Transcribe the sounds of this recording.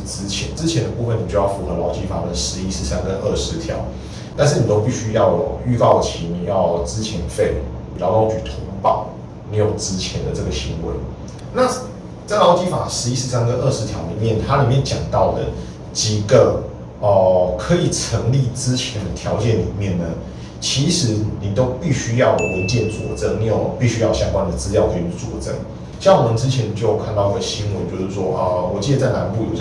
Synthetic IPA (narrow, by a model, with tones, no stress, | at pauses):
t͡s̩˦˥t͡ɕʰjɛ˧˦nt͡sɻ̩˥˦t͡ɕʰjɛ˧˦nd̪ə˧pu˥˧fə˨˩ni˨t͡ɕo˥˧jɑ˥˩fu˧˥xɤ˧˦lɑ˧˥ʊt͡ɕi˧˥˩fa̰˨˩lə˨˩ʂɻ̩˧˦i˦˥ʂɻ̩˧˥˦sa˥nkə˦nʔə˥˩ʂɻ̩˧˦t̪ʰjɑ̰˧˦ʊ | t̪a˥˧nʂ̬̩˥˩ni˨˩t̪o˥ʊpi˥˩ɕy˥jɑ˥˩ʊjy˥˧k̪ɑ˥˩ʊt͡ɕʰi˧˥ni˨˩jɑ˥˧ʊt͡sɹ̩˥t͡ɕʰjɛ˧˥nfe˥˩ɪni˨˩lɑ˧˥ʊlɑ˧˥ʊt͡ɕy˨˩t̪ʰʊ˧˥ŋpɑ̰˥˩ʊ | ne˧˥jo˨˩ʊt͡sɹ̩˥t͡ɕʰjɛ˧˦nd̪ə˨ʈ͡ʂə˥˩ɡə˨˩ɕi˧˥ŋwḛ˧˥ɪ | na˥˨ | t͡sa˥˩ɪlɑ˧˥ʊt͡ɕi˧˥fa̰˨˩ʂɻ̩˧˥i˦˥sʂɻ̩˧˥sa˥nkə˥˦nʔə˥˩ʂɻ̩˧˥t̪ʰjɑ˧˥ʊli˨˩mjɛ˥˩nt̪ʰa˥li˨˩mjɛ˥˨nt͡ɕjɑ˨˩ŋt̪ɑ˥˩ʊd̪ə˩ | t͡ɕi˨˩ɡə˦ | ə˨kʰɤ˧˦i˨˩t͡sʰə˧˦˥ŋli˥˨t͡sɹɻ̩˦t͡ɕʰjɛ˧˥nd̪ə˨t̪ʰjɑ˧˥ʊt͡ɕjɛ˥˨˩nlḭ˨˩mjɛ˥˩nnə˩ | t͡ɕʰi˧˥ʂɻ̩˧˥ni˨˩t̪o˥ʊpi˥˩ɕy˥jɑ˥˩ʊwə˧˦nt͡ɕjɛ˥˩nt͡swɔ̰˨˩t͡sə˥ŋni˥˩ɔ˨˩pi˥˩ɕy˥jɑ˥˧ʊɕjɑ˥ŋkwa˦˥nd̪ə˨˩t͡sɹ̩˥ljɑ˥˩ʊkʰe˧˥y˨˧˥t͡swɔ̰˨˩t͡sə̰˦ŋ | ɕŋwɔ˨˩ə˨˦nt͡sɻ̩˥t͡ɕʰjɛ˧˦n˨t͡ɕjo˥˩ʊkʰa˥˧nt̪ɑ˥˧ʊi˥˩ɡə˨˩ɕi˥ŋwə˧˦nt͡ɕjo˥˧ʊʂɻ̩˥˩ʂwɔ˥ʔə˧wɔ˨˩t͡ɕi˥˩d̪ə˨˦t͡sa˥˩ɪna˧˥npu˥˨jo˨˩ʊ